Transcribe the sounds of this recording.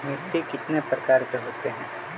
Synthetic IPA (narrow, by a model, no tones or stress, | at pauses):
mɪt̪ːikɪt̪nepɾɐkaːɾkeɦoːt̪eɦɛ̃ː